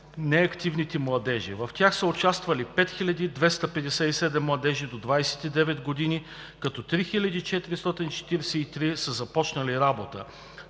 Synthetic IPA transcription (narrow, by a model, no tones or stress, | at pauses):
nɛɐkt̪ivnit̪ɛmlˠɐd̪ɛʒḭvɐft̪ʲjaxsəʊt͡ʃast̪vəlipɛt̪xilʲɐd̪id̪vɛst̪əpɛd̪ɛsɛisɛd̪ɛmːlˠɐd̪ɛʒid̪od̪vajsɛ̥t̪id̪ɛvɛd̪ɡod̪ini | kɐt̪ɔt̪ɾixilʲɐd̪it͡ʃɛt̪iɾist̪ɔt̪int͡ʃɛ̥t̪iɾɛsɛit̪ɾisəzɐpɔt͡ʃnəliɾabot̪ə̰